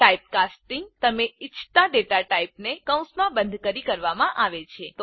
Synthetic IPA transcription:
aip̚kasʈiŋɡt̪əmeɪt͡ʃʰt̪aɖeʈaʈaipnekə̃w̃smãbənd̪ʱkəɾikəɾʋamãʔaʋet͡ʃʰet̪o

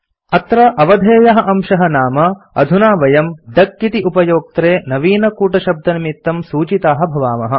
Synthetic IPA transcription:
ɐt̪ɾɐʔɐʋɐd̪ʱeːjɐɦɐ̆ʔɐmʃɐɦɐnaːmɐ | ɐ̰d̪ʱunaːʋɐjɐmd̪ɐkːit̪iʔupɐjoːk̚t̪ɾeːnɐʋiːnɐkuːʈɐʃɐb̚d̪ɐnɐmit̪ːɐmsuːt͡ʃit̪aːɦɐ̆bʱɐʋaːmɐɦɐ̆

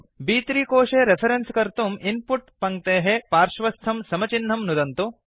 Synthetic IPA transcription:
biːt̪ɾiːkoːʂeːɾepʰɐɾenskɐɾt̪uminpuʈpɐŋ̚t̪eːɦepaːɾʂʋɐst̪ʰɐmsɐmɐt͡ʃinːɐmnud̪ɐnt̪u

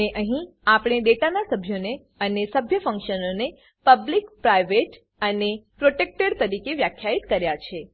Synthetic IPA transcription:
eʔəɦĩ | apɽ̃eɖeʈanasəbʱjone | ənesəbʱjəfə̃ŋkʃənone | pəblikpɾajʋeʈ | ənepɾoʈek̚ʈəɽt̪əɾikeʋjakʰːjait̪kəɾjat͡ʃʰe

